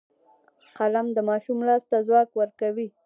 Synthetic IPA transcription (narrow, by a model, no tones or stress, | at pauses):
qalamd̪əmɑʃumlɑst̪azwɑkwəɾkawi